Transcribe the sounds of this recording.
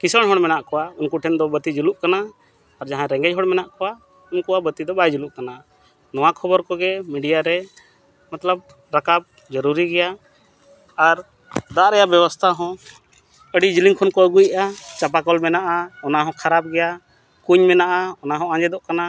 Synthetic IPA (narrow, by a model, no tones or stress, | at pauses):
kisəɽɦɔɽmɛnaʔkɔwaunkuʈʰɛnd̪ɔbət̪id͡ʒuluʔkanaː | ɾd͡ʒaɦãɾɛŋɡɛd͡ʒɦɔɽmɛnaʔkɔwa | unkuabət̪id̪ɔbajd͡ʒuluʔkana | nɔwakʰɔbɔɾkɔɡɛmiɖijaɾɛ | mat̪ləb̚ | ɾakab̚ | d͡ʒəɾuɾiɡɛja | aɾ | d̪aʔɾɛjaʔbɛbɔst̪ʰaɦɔ̃ | əɖid͡ʒiliŋkʰɔnkɔəɡujʔat͡ʃap̬akɔlmɛnaʔaɔnaɦɔ̃kʰaɾap̚ɡɛja | kuɲmɛnaʔaɔnaɦɔ̃ãd͡ʒɛd̪ɔʔkana